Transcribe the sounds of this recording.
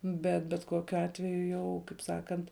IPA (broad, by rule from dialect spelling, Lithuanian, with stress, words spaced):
ˈbʲɛt bʲɛt ˈkoːkʲʊ ˈɑːtʲʋʲɛjʊ jɛʊ kɐɪp ˈsɑːkɐnt